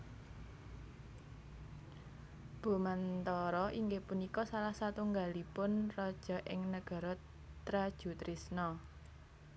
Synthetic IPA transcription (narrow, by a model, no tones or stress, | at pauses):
b̥o̤mant̪ɔɾɔʔiŋɡepunikɔsalahsat̪uŋɡalipʊnrɔd̥ʒ̥ɔ̤ʔɪŋnəɡ̥ɔ̤ɾɔ | t̪ɾad̥ʒ̥ṳt̪ɾisnɔ